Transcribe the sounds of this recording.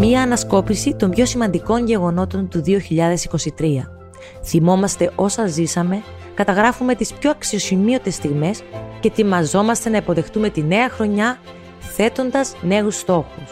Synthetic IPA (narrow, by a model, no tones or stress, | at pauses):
miɐːnɐsko̞pisit̪o̞mbʝo̞simɐnd̪iko̞ɲʝe̞ɣo̞no̞t̪o̞nt̪uðio̞çiʎɐðe̞siko̞sit̪ɾiɐ | θimo̞mɐst̪e̞ʔo̞sɐzisɐme̞ | kɐt̪ɐɣɾɐfume̞t̪ispço̞ɐksio̞simio̞t̪e̞st̪iɣme̞sce̞t̪imɐzo̞mɐst̪e̞nɐipo̞ðe̞xt̪ume̞t̪ine̞ɐxɾo̞ɲɐ | θe̞t̪o̞nd̪ɐzne̞ɣust̪o̞xus